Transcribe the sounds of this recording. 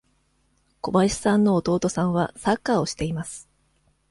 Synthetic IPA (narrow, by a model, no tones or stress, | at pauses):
ko̞baɕi̥sãnːo̞ːt̪o̞ːt̪o̞sãɰ̃βasakːaːo̞ɕi̥t̪e̞imasɨ̥